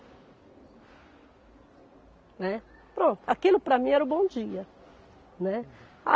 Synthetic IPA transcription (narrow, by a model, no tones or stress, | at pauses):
nɛ | pɾõnt̪ʊakilʊpɾɐmĩɛɾʊbõw̃d͡ʒiɐ | nɛ | a̰